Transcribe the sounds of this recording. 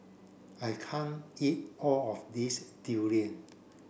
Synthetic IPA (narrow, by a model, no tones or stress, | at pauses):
ajkʰãnit̚ɔlɔfdistiliə̃n